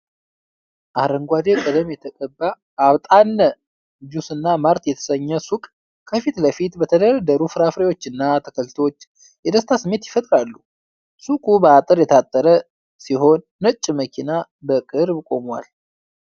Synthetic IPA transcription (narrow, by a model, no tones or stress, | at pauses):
ʔaɾəŋɡʷad̪ekʼəd̪əmjɛt̪ʰəkʼəbːa | aβt̪ʼanːə | d͡ʒusɨnːamaɾt̪jɛt̪ʰə̥səɲːəsukʼ | kʰːəfit̪ləfit̪bət̪ʰəd̪əɾəd̪əɾufɨɾafɾewo̞t͡ʃːɨnːat̪ʰə̥kʰəlt̪ʰwot͡ʃː | jɛd̪əst̪ʰasɨmːe̞t̪jɪfət̪ʼɾalːu | sukʼubəat̪ʼɨɾjɛt̪ʰat̪ʼːəɾə | siɦo̞nːət͡ʃʼːiməkʰina | bəkʼɨɾbkʼo̞mwa̰l